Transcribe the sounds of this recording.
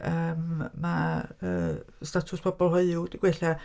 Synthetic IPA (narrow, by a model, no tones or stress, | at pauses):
əːmmaəːstatʰʊspʰɔbɔlˠɦɔɨʊd̥iɡ̥wɛɬa